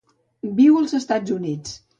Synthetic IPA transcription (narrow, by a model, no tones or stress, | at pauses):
biwəlˠzəst̪ad͡zunit͡s